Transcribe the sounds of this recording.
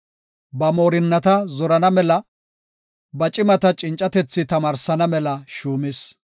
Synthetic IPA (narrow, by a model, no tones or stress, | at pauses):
bɐmoːɾɪnːɐt̪ɐzɔɾɐnɐmɛlɐ | bɐt͡ʃʼɪmɐt̪ɐt͡ʃʼɪnt͡ʃʼːɐt̪ɛt͡sːɪt̪ɐmaːɾsɐnɐmɛlɐʃuːmɪs